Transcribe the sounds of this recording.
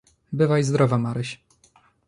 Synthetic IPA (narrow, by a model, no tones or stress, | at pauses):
bɘvajzd̪ɾɔvamaɾɘɕ